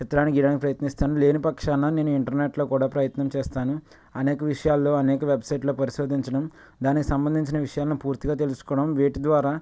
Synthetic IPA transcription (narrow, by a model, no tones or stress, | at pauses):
t͡ʃit̪ɐɾaːniɡiɽaːnikipɾɐjɐt̪nist̪aːnule̞ːnipɐkʂaːnɐne̞ːnuiɳʈɐɾneːʈlo̞ːkuːɽaːpɾɐjɐt̪nɐmt͡ʃeːst̪aːnu | ɐnɛːkɐʋiʂɐjaːlːo̞ːɐnɛːkɐʋebsɐjʈlo̞ːpɐɾiʃo̞ːd̪ʱiɲt͡ʃɐɽɐm | d̪aːnikisɐmbɐnd̪iɲt͡ʃinɐʋiʂɐjaːlɐnupuːɾt̪iɡaːt̪e̞lusu̥kɔːɽɐmʋeːʈid̪ʋaːɾaː